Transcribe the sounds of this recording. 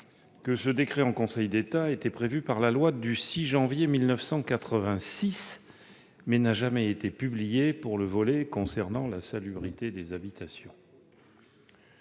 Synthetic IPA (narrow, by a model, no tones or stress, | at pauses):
kəsəd̪ekχeɑ̃kɔ̃sɛjd̪et̪aet̪ɛpχevypaʁlalwad̪ysiʒɑ̃vjemilnəfsɑ̃kat̪χəvɛ̃sis | mɛnaʒamɛet̪epyblijepuʁləvɔlekɔ̃sɛʁnɑ̃lasalybʁit̪ed̪ezabit̪asjɔ̃